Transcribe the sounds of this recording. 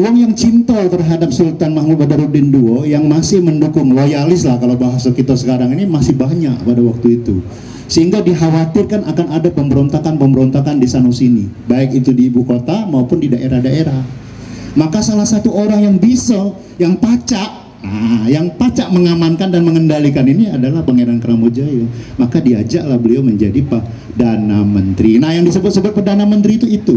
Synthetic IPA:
uwaŋjaŋt͡ʃint̪ɔlt̪ərɦadap̚sult̪anmaɦmʊt̪̚badaɾubɪnduojaŋmasɪhməndukʊŋlojalɪslahkalawbaɦasakit̪asə̥kaɾaŋinimasɪhbaɦɲaʔpadawak̚t̪uit̪ṵ | səɦiŋɡadiɦawat̪ɪrkanakanadapəmbəɾont̪akanpəmbəɾont̪akandisanusinibaɪk̚it̪udiːbukot̪amaupʊndidaʔeɾahdaʔeɾah | makasalahsat̪uoɾaŋjaŋbisɔ | jaŋpat͡ʃaʔ | ajaŋpat͡ʃaʔməŋamankandanməŋəndalikaniniadalahpəŋeɾankəɾamod͡ʒajomakadiad͡ʒa̰ʔlahbəliawməɲd͡ʒadipah | danamənt̪ɾinahjaŋdisəbʊt̪̚səbʊt̪̚pərdanamənt̪ɾit̪uit̪u

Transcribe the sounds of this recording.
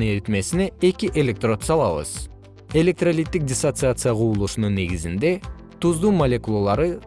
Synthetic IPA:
eɾt̪me̞sine̞e̞kʲiʔe̞lʲe̞k̚t̪ro̞t̪sɑlˠɑβɯ̰z̥ | e̞lʲek̚t̪rolʲit̪ːik̚dʲɪsot̪sɨat̪sɨjaqʰuːulˠuʃununːe̞ɡizind̪e̞ | t̪uzd̪uːmɐlʲekulˠolˠɑɾɯ

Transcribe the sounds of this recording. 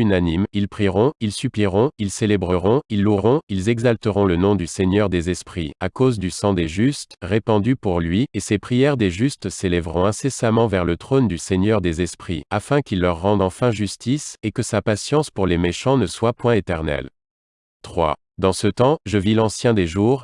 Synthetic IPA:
ynanimilpχiʁɔ̃ilsypliʁɔ̃ilselɛbʁəʁɔ̃ilːuʁɔ̃ilzɛɡzalt̪əʁɔ̃lənɔ̃d̪yseɲœʁd̪ezɛspχḭakozd̪ysɑ̃d̪eʒyst̪ʁepɑ̃d̪ypuʁlɥiesepχijɛʁd̪eʒyst̪selɛvʁɔ̃ɛ̃sesamɑ̃vɛʁlət̪χond̪yseɲœʁd̪ezɛspχḭafɛ̃kilːœʁːɑ̃d̪ɑ̃fɛ̃ʒyst̪isekəsapasjɑ̃spuʁlemeʃɑ̃nəswapwɛ̃et̪ɛʁnɛ̰l | t̪χwa̰ | d̪ɑ̃sət̪ɑ̃ʒəvilɑ̃sjɛ̃d̪eʒuːʁ

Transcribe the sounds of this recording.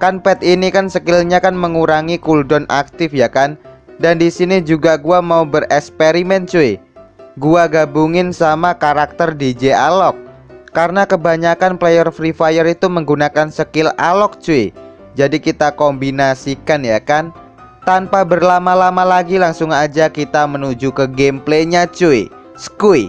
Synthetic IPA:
kanpɛt̪inikansəkɪlɲakanməŋuɾaŋikuldɔnʔa̰k̚t̪ɪfjakandandisinid͡ʒuɡaɡuamaubərɛkspeɾimɛnt͡ʃuɪ | ɡuaɡabuŋɪnsamakaɾak̚t̪ərdid͡ʒealɔk̚ː | aɾənakəbaɲakanplejərfɾifajəɾit̪uməŋɡunakansəkɪlalɔk̚t͡ʃuɪ | d͡ʒadikit̪akɔmbinasikanjakan | t̪anpabərlamalamalaɡilaŋsʊŋad͡ʒakit̪amənud͡ʒukəɡempleɲat͡ʃuɪ | sə̥kui

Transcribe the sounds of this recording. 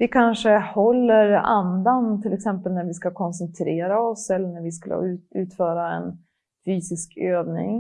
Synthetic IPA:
vɪkʰanʂəhɔlːəɾa̰nd̪ant̪ʰɪlɛksɛmpəlnæɾvɪskakʰɔnsənt̪ʰɾeːɾaɔsɛlːəɳæɾvɪska̰l̰ːʉ̟ːt̪fœːɾaɛ̰n | fyːsɪskøːvnɪ̰ŋ

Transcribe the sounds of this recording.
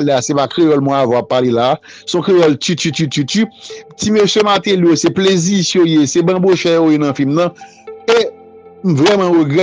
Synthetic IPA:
lɛasepakʁejɔlmw̃ɛ̃avãapːalelaː | sɔ̃kʁejɔltytyt̪ytytytimeʃjemat̪ẽlijoseplezisojesebãboʃɛjojenɐ̃filmnɐ̃ | e | m̩vʁɛmãɣoɡɛ

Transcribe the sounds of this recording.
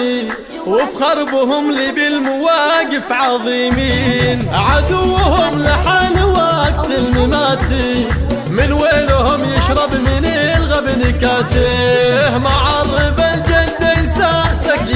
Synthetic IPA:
wɪfɣɑɾˤbʊɦʊmlɪbɪlmʊwaːɡɪfʕɑðˤiːmiːnʕad̪ʊwːhʊmlɪħaːnɪwaːɡt̪ɪlmɪmaːt̪i | mɪnweːlʊhʊmjɪʃɾˤɑbmɪnɪlɣabnɪkaːsihmaʕɑrˤːɨbald͡ʒad̪ansaʔsak

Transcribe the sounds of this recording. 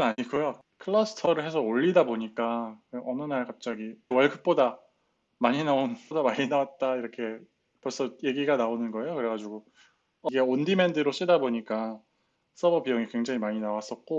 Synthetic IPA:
naɲiɡojo | kʰɯɭːʌsʰɯ̥tʰʌɾɯɭɦe̞sʰʌoʎːidaboɲik͈akeʔʌnɯnaɭkap̚t͡ɕ͈aɡiwʌɭɡɯk̚p͈oda | maɲinaonodamaɲinawat̚t͈aiɾʌkʰe̞ | pʌɭs͈ʌje̞ɡiɡanaonɯnɡʌe̞jokɯɾe̞ɡad͡ʑuɡo | ʌɡeondimendɯɾoɕ͈idaboɲik͈a | s͈ʌbʌbijʌŋikwe̞ŋd͡ʑaŋimaɲinawas͈ʌt̚k͈o

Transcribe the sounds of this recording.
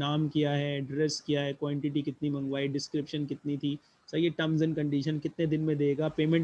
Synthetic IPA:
naːmkijaɦɛɖɾɛskijaɦɛkʋãːɳʈɪʈ̬ikɪt̪nimɐ̃ŋɡʋaːiɖɪskɾɪpʃənkɪt̪nit̪ʰi | sɐieʈɐ̃mzənkɐ̃ɳɖiːʃənkɪt̪ned̪ɪnmẽd̪eːɡaːpeːmẽɳʈ

